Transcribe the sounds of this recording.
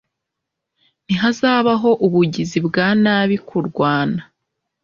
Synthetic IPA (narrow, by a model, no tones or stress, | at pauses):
n̥iɦazaːβaɦo̞ʔuβuɟizibɡaːnaːβikʰuɾɡwaːna